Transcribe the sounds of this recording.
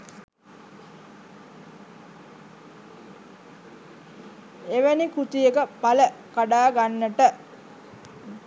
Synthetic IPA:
eʋənikut̪ijekəpaləkaɖaːɡanːəʈə

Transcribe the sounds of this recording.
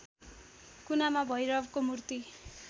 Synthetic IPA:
kunamabʱʌjɾʌbkomurt̪i

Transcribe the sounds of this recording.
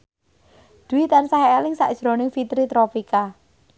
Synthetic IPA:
d̪̥ṳwit̪ansaɦeːlɪŋsa̰ʔd̥ʒ̥ɾo̤nɪŋfit̪ɾit̪ɾofika

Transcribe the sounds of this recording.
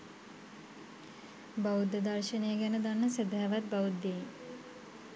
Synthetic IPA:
baud̪ːəd̪arʃənejəɡænəd̪anːəsed̪aɦɛʋat̪̚baud̪ːe

